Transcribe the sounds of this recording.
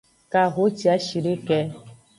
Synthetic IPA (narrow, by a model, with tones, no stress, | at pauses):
ka˨ɣo˦t͡ʃi˦a˦ʃi˨ɖe˦kɛ˦